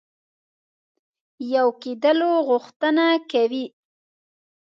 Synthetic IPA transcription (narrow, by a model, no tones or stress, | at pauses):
jawked̪əloɣʊxt̪ənakawi